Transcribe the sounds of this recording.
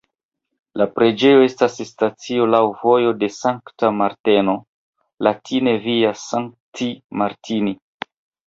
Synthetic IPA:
lapɾe̞d͡ʒe̞jo̞e̞stasstat͡sio̞lawvo̞jo̞de̞saŋktamaɾte̞no | latʰine̞viasaŋk̚timaɾtʰini

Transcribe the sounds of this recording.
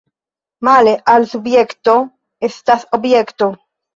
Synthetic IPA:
maleʔalsubjekt̪o | est̪asobjekt̪o

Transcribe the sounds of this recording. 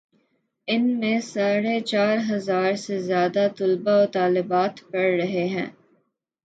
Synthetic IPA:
ɪnmẽsaːɾet͡ʃaːɾɦɐzaːɾsezjaːd̪at̪ʊlbaoːt̪aːlɪbaːt̪pɐɽːɐɦeɦɛ̰̃ː

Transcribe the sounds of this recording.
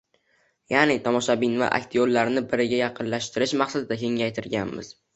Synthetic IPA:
janɪt̪ʰɒmɒʃabinva̰ʔa̰k̚ʲt̪ʰiolːaɾnɪbɪɾɪɡʲajɑqʰɨnlaʃt̪ʰɪɾɪʃmɑqsad̪ɪd̪akʲʰe̞ŋajt̪ʰɪɾɡʲanmɪ̰z̥

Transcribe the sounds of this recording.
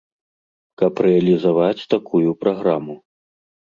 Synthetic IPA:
kɐpɾɛɐlʲizavat͡sʲt̪akujupɾaɣɾamu

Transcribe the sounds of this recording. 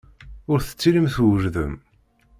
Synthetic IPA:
ʊɾθə̥t͡sːiɾimθwəʒðə̰m

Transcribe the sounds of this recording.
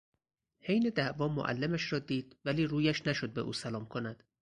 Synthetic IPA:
he̞jne̞d̪æʔvɒːmo̰ʔæ̰lːemæʃrɒːd̪iːd̪̥væliːɾuːjæʃnæʃo̞d̪̚be̞̰ʔṵːsælɒːmkʰo̞næd̪̥

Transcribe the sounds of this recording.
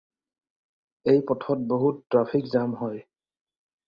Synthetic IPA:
ejpɔtʰɔt̚boɦutːɹapʰikzamɦɔj

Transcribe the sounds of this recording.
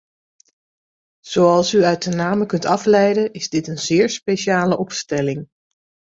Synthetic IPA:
z̥owɑlˠsyœɥt̚dənaːməkɵntɑflɛjdəʔɪzdɪtənzɪːɹspejʃaːləʔɔpstɛlɪŋ

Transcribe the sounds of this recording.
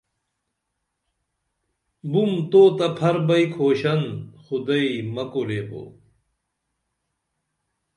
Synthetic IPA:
bumt̪oːt̪ɐpʰɐɾbɐikʰoːɕɐnxud̪ɐimɐkoleːpo̰ː

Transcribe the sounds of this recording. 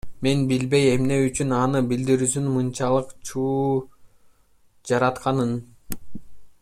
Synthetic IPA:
me̞nbilbe̞je̞mne̞yt͡ʃynɑnɯbild̪iɾys̬ynmɯnt͡ʃɑlˠɯqt͡ʃʰuː | d͡ʒɑɾɑt̪qɑnɯn

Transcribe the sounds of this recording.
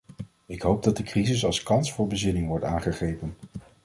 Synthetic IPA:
ɪkɦowb̚dɑt̚dəkrizɪsɑlˠskɑnsfʊːɹbəzɪnɪŋʋɔɹtaːnχəχrejpən

